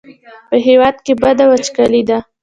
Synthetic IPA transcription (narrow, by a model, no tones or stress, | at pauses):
pəɦewɑd̪̚kebad̪awat͡ʃkalid̪a